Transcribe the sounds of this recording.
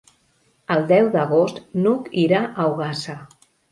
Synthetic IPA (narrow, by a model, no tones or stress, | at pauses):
əlˠd̪ɛwd̪əɣost̪nukiɾaʔəwɣasə